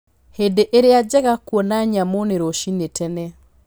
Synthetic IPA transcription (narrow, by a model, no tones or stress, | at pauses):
hedeʔeɾead͡ʒɛɣakwɔnaɲamoneɾoʃinetɛnɛ